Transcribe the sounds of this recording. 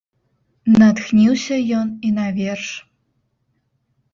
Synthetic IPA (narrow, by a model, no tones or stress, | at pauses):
nɑt̪xnʲiwsʲəjoninɑvʲerʃ